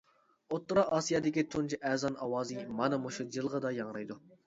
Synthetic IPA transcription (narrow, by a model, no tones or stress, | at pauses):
ot̪ːɾɑʔɑːsijɑd̪ɪkʲit̪ʰunt͡ʃʰiʔɛzɑnɑwɑːzimɑnɨmuʃud͡ʒɨlˠʁɑd̪ɑjɑŋɾɑjd̪u